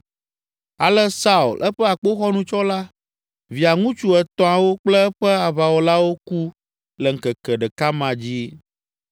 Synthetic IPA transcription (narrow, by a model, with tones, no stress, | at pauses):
a˨lɛ˦sa˦ṵ˨lʔɛ˦ɸɛ˦a˨k͡po˦xɔ˦nũ˨t͡ʃɔ˦la˦ | vi˨a˨ŋũ˦t͡ʃu˦ɛ˨t̪ɔ̃˦a˨wo˦k͡plɛ˦ɛ˦ɸɛ˦a˨βa˨wo˨la˦wo˦ku˦ | lɛ˨ŋ̩˨kɛ˨kɛ˨ɖɛ˨ka˦mã˨d͡ʑi˦